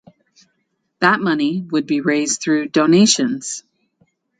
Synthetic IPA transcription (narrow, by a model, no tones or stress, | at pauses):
ðət̚mʌniwɨd̚biɹeɪzθɹʉdõʊneɪʃɨ̃nz̥